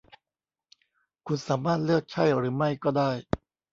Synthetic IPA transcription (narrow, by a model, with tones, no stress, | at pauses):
kʰu˧nsaː˩˦maː˥˩t̪̚lɯ˥˩ək̚t͡ɕʰa˥˩jɾɯː˩˦ma˥˩jkɔː˥˩daː˥˩j